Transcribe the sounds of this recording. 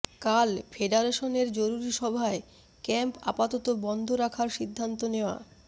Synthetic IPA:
kalfʰeɖaɾeʃoneɾd͡ʑoɾuɾiʃɔbʱae | kɛmpa̰pat̪ɔt̪obɔnd̪ʱoɾakʰaɾʃid̪ʱːant̪oneoa̰

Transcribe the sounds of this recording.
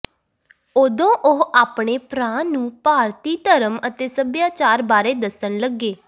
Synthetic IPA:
oːd̪õːʔʊɦaːpɳeːpɾãːnũːpaːɾt̪iːt̪əɾəmət̪eːsəbjaːt͡ʃaːɾbaːɾeːd̪əsəɳləɡːeː

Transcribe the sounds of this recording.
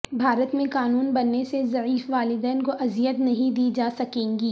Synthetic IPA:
bʱaːɾət̪mẽkaːnuːnbɐnːesezɐʕiːfʋaːlɪd̪ɛːnkoʔɐzijət̪nɐɦĩd̪iːd͡ʒaːsɐkẽːŋɡiː

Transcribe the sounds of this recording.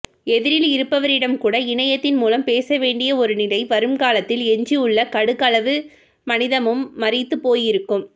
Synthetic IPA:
ɛðɪɾɪlɪɾɯpːɐʋɐɾɪɽɐmkuːɽɐɪɳɐjɐt̪ːɪnmuːlɐmpeːsɐʋeːɳɖɪjɐɔɾɯnɪlɐɪʋɐɾɯmkaːlɐt̪ːɪlɛɲd͡ʒiɯɭːɐkɐɽɯkɐlɐʋɯ | mɐnɪðɐmɯmːɐɾɪt̪ːɯpoːjɪɾɯkːɯm

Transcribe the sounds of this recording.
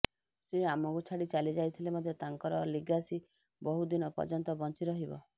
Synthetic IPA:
seamɔkut͡ʃʰaɽit͡ʃalid͡ʒajt̪ʰilemɔd̪ʱjɔt̪aŋkɔɾɔliɡasi | bɔɦud̪inɔpɔ̰d͡ʒɔnt̪ɔbɔnt͡ʃiɾɔɦibɔ̰

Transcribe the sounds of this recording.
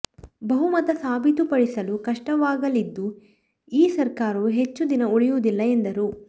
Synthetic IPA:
bɐɦumɐt̪ɐsaːbʱit̪upɐɽisɐlukɐʂʈɐʋaːɡɐlid̪ːu | iːsɐɾkaːɾɐɦe̞t͡ʃːud̪inɐuɭijud̪ilːɐend̪ɐɾu

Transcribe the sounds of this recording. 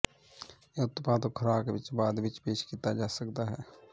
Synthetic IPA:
eʊt̪ːpaːt̪okʰəɾaːkeʋɪt͡ʃbaːd̪ʋɪt͡ʃpeːʃkit̪ad͡ʒaːsəkd̪aɦɛː

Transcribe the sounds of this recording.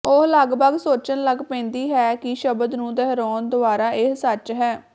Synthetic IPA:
oɦləɡbəɡsoːt͡ʃənləɡpɛ̃ːnd̪iːɦɛːkɪʃəbəd̪nũːd̪ɛɦɾɔːnd̪ʊaːɾaːʔɪɦsət͡ʃɦɛː

